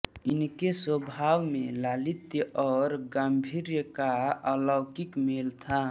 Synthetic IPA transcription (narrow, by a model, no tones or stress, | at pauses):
ɪnkeswəbʱawmelalit̪jəʔɔːɾɡəmbʱiɾjəkaəlɔːkikmelt̪ʰa